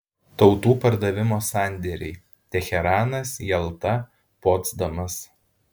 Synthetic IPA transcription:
t̪ɒʊt̪uːpɐɾd̪ɐʋʲɪmoːsɑˑnʲˑd̪ʲɛɾʲɛɪ | t̪ʲɛxʲɛɾɑːnɐsjɛlˠt̪ɐ | poːd̪zd̪ɐmɐs

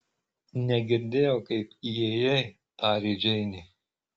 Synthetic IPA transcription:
nʲɛɡʲɪɾʲd̪ʲeːjoʊkɐɪpijejɛ | t̪ɑːɾʲid͡ʒʲɛɪnʲɪ

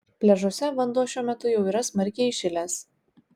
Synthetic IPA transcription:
pʲlʲɛʒoːsʲɛʋɐnd̪uɔʃʲuɔmʲɛt̪ʊjɛʊiːɾɐsmɐɾʲkʲeɪʃʲɪlʲɛs

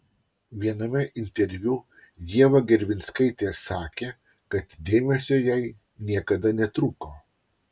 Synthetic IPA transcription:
ʋʲiɛnɐmʲɛʔɪnʲt̪ʲɛɾʲʋʲu | j̪ʲiɛʋɐɡʲɛɾʲʋʲɪnʲskɐɪt̪ʲeːsɑːkʲeː | kɐt̪d̪ʲeːmʲɛsʲoːjɛɪ | nʲiɛkɐd̪ɐnʲɛt̪ɾuːkoː

